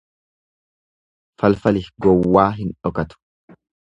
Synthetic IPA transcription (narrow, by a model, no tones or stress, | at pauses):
fɐlfɐlɪɡɔwːaːɦɪnᶑɔkɐt̪ʊ̥